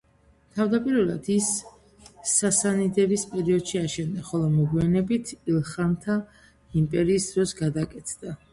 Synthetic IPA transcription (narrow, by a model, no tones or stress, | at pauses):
t̪ʰavd̪apʼiɾvɛlˠad̪̥isː | asanid̪ɛbispʼɛɾiɔd̪̥ʃiaʃʰɛnd̪aχɔlˠɔmɔɡwianɛbit̪ʰilˠχamt̪ʰa | impʼɛɾiːsd̪ɾɔsɡad̪akʼɛt̪ʰd̪a